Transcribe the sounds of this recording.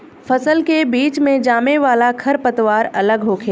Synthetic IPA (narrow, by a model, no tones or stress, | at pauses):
fʰɐsəlkebiːt͡ʃmẽd͡ʒaːmeʋaːlakʰɐɾpɐt̪ʋaːɾɐləɡɦoːkʰeː